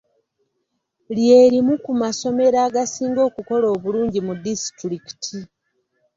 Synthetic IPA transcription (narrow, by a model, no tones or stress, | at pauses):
lje̞ːɾimukumaso̞me̞ɾaːɡasiːŋɡo̞ːkuko̞lo̞ːβuluːɲɟimudisi̥tɾiki̥tʰi